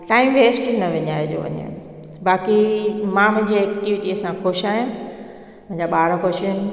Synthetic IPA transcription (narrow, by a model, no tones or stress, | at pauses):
ʈaːɪmʋeːsʈnɐʋɪɲaːɦed͡ʑo̰ːʋɐ̰ɲḛ̃ | baːkimãmɐ̃ɦɲd͡ʑeeːkʈiʋiʈiəsãxoʃaːɦijã | mɐ̃ɦɲd͡ʑaɓaːɽkoʃən